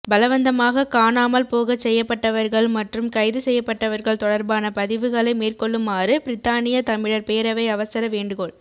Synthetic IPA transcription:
bɐlɐʋɐnd̪ɐmaːɣɐkaːnaːmɐlpoːɣɐt͡ʃːɛjːɐpːɐʈːɐʋɐɾɣɐɭmɐʈrɯmkɐɪðɯsɛjːɐpːɐʈːɐʋɐɾɣɐɭt̪ɔɽɐɾbaːnɐpɐðɪʋɯɣɐɭɐɪmeːrkɔɭːɯmːaːrɯpɪɾɪt̪ːaːnɪjɐt̪ɐmɪɽɐɾpeːɾɐʋɐɪɐʋɐsɐɾɐʋeːɳɖɯɣoɭ

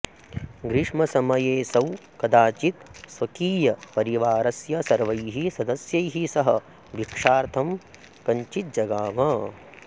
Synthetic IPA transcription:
ɡɾiʂmɐsɐmɐjeːsɐwkɐd̪aːt͡ʃit̪sʋɐkiːjɐpɐɾiʋaːɾɐsjɐsɐɾʋɐjɦisɐd̪ɐsjɐjɦisɐɦɐ | ʋikʂaːɾt̪ʰɐm | kɐɲt͡ʃit̪̚d͡ʒɐɡaːmɐ

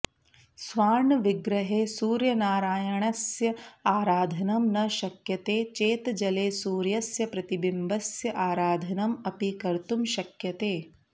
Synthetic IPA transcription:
sʋaːɳʋiɡɾɐɦeːsuːɾjɐnaːɾaːjɐɳɐsjɐaːɾaːd̪ʱɐnɐmnɐʃɐkjɐt̪eːt͡ʃeːt̪d͡ʒɐleːsuːɾjɐsjɐpɾɐt̪ibimbʱɐsjɐʔaːɾaːd̪ʱɐnɐmɐpikɐɾt̪umʃɐkjɐt̪eː

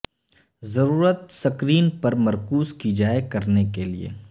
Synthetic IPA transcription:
zɐɾuːɾət̪sɐkɾiːnpɐɾmɐɾkuːzkid͡ʒaːekɐɾnekeliḛː

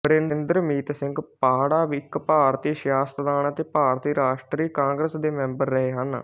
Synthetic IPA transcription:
bəɾennd̪ɾəmiːt̪sɪŋɡpaːɽaːʋɪkpaːɾt̪iːʃjaːst̪d̪aːnət̪eːpaːɾt̪iːɾaːʃʈɾiːkãːŋɡɾəsd̪eːmɛ̃ːmbəɾːəɦeːɦən

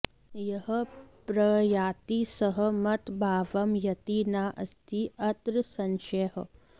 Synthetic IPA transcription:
jɐɦɐpɾɐjaːt̪isɐɦɐ̆mɐt̪bʱaːʋɐmjɐt̪iːnaːʔɐst̪ʰiɐt̪ɾɨsɐnʃɐɦɐ̰

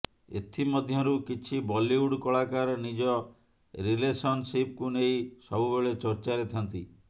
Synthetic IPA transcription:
ḛt̪ʰimɔd̪ʱjɔɾukit͡ʃʰibɔliuɽkɔɭakaɾɔnid͡ʒɔ | ɾilesɔnsipkunejsɔbubeɭet͡ʃɔɾt͡ʃaɾet̪ʰant̪i

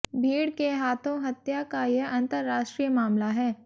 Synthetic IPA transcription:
bʱiːɽkeɦaːt̪ʰõɦɐt̪jakajeɐ̃nt̪əɾːaːʃʈɾiːjəmaːmlaɦɛː

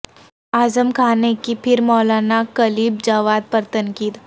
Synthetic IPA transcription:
aːzəmkʰaːnekipʰɪɾmɔːlaːnakɐliːb̚d͡ʒaːʋaːd̪̚pɐɾt̪ɐnkiːd̪

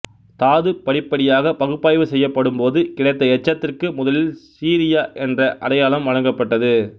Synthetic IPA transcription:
t̪aːðɯpɐɽɪpːɐɽɪjaːɣɐpɐɣɯpːaːjʋɯsɛjːɐpːɐɽɯmpoːðɯkɪɽɐɪt̪̬ːɐɛt͡ʃːɐt̪ːɪrkɯmʊðɐlɪlsiːɾɪjaːʔɛndrɐʔɐɽɐjaːlɐmʋɐɻɐŋɡɐpːɐʈːɐðɯ

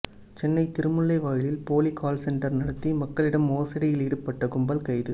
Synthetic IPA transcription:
t͡ʃɛnːɐɪt̪ɪɾɯmɯɭːɐɪʋaːjɪlɪlpoːlikʰaːlsɛɳʈɐɾnɐɽɐt̪ːimɐkːɐɭɪɽɐmoːsɐɽɐjɪliːɽɯpːɐʈːɐɡʊmbɐlkɐɪðɯ

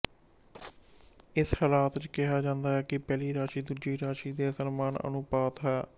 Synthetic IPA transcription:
ɪshalaːt̪t͡ʃkɪɦaːd͡ʒãːnd̪aːɦɛːkɪpɛːliːɾaːʃiːd̪ud͡ʒiːɾaːʃiːd̪eːsənmaːnə̰nʊpaːt̪ɦɛː

